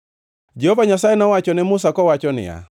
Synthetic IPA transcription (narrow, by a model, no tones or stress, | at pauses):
d͡ʒɛhɔvaɲasaɛnawat͡ʃɔnɛmʊsakɔwat͡ʃɔnɪ̰a̰